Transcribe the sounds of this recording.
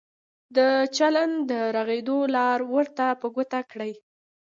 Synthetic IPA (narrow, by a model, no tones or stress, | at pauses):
d̪ət͡ʃaland̪əɾaɣed̪olɑɾwəɾt̪apəɡot̪akɽəj